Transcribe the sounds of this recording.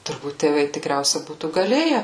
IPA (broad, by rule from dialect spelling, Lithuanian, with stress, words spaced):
tʊrˈbuːt tʲeːˈʋɐɪ tʲɪkˈrʲɛʊsʲɛ ˈbuːtuː ɡɐˈlʲeːjɛ